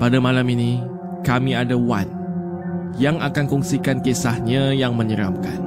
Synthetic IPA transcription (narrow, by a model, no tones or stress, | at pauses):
padamãlaminĩ | kamĩadawan | jaŋakankɔŋsikankesahɲajaŋmə̃ɲəɾa̰mkan